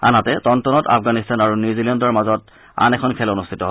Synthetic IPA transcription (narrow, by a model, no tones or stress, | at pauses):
a̰nɦatɛtɔntɔnɔta̰fɡanistʰanaɹunuzilɛndɔɹmazɔt̚ | a̰nɛkʰɔnkʰɛlonustʰitɔɦ